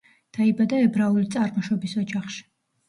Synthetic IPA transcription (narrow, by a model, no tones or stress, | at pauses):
d̪̥aibad̪aɛbɾaulit̪sʼaɾmɔʃɔbisɔd͡ʒaχʃi̥